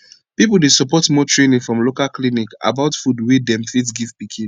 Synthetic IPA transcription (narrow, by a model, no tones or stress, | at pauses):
pip̬ldesɔpɔtmɔtʰɹẽnĩŋfɹɔ̃mlokalklinika̰baʊtfudwidɛ̃mfisɡivpikʰĩn